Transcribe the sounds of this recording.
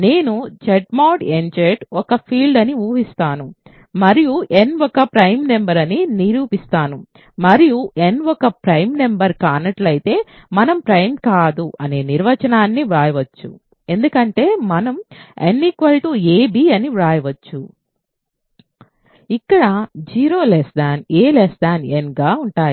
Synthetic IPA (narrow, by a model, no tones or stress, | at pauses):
ne̞ːnut͡ʃeʈmaːʈend͡ʒeʈɔkɐpʰiːlɖɐniuːɦist̪aːnu | mɐɾijuʔe̞nʋɔkɐpɾɐjmne̞mbɐɾɐniniɾuːpist̪aːnu | mɐɾijuʔe̞nʋɔkɐpɾɐjmne̞mbɐɾkaːnɐʈlɐjit̪e̞ːmɐnɐmpɾɐjmkaːd̪uʔɐne̞ːniɾʋɐt͡ʃɐnaːnːiʋaːjɐʋɐt͡ʃːṵ | e̞nd̪ukɐɳʈe̞ːmɐnɐmḛnːikʋɐlʈuːeːbiːɐniʋaːjɐʋɐt͡ʃːu | ikːɐɽɐd͡ʒiːɾo̞ːlesd̪aːneːlesd̪aːnenɡaːuɳʈaːji